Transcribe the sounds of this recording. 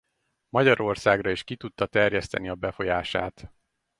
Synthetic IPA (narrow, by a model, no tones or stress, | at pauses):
mɒɟɒɾo̞rsaːɡrɒiʃkit̪ut̪ːɒt̪ɛrjɛst̪ɛ̰niɒbɛfo̞jaːʃa̰ːt̪